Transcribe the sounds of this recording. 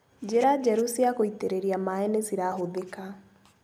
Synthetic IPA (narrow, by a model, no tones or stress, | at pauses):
d͡ʑeɾad͡ʒɛɾusiakoiteɾeɾiamaɛnesiɾaɦoðeka